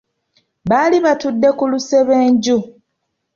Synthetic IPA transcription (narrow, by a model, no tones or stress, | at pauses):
βaːliβatudːe̞kuluse̞βeːɲɟu